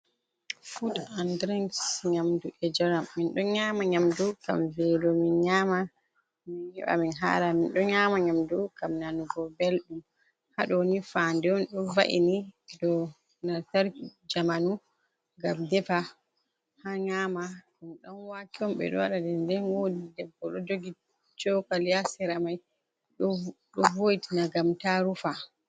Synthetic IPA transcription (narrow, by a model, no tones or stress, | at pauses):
fudandɾiŋɡsɲamduʔɛd͡ʒɛɾamːinɗɔɲaːmaɲamduka̰mvɛlɔminɲaːma | minɛ̰ɓa̰minɦa̰ːɾaminɗɔɲaːmaɲamdukamnanuɡɔbelɗum | haɗɔnifandɛɔnɗɔnva̰ʔḭniɗɔ | nataɾd͡ʒamanu | ɡamdɛfa | haɲama | umɗɔnwakiɔmɓɛ̰ɗɔ̰wa̰ɗadɛndɛnwodidɛbːɔɗɔdoɡi | t͡ʃɔkaljasɛɾamaj | ɗɔɗɔvojitinaɡamtaɾufa